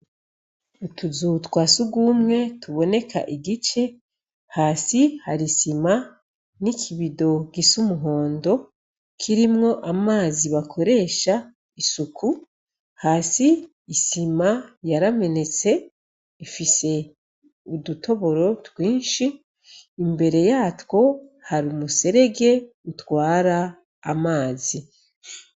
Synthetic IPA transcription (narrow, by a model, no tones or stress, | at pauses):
utuzutwaːsuɡumŋe̞tʰuβo̞ne̞kʰa̰ʔiɡit͡ʃe̞ | haːsihaɾisima | nikʰiβido̞ɡisumuɦo̞ːndo̞ | kʰiɾimŋo̞ʔamaːziβakʰo̞ɾe̞ːʃa | isukʰu | haːsiː | simajaɾame̞ne̞t͡se̞ | ifise̞ | udutʰo̞βo̞ɾo̞twiːnʃiː | mbe̞ɾe̞jaːtwo̞haɾumuse̞ɾe̞ɡe̞ | utwaːɾaː | maːzi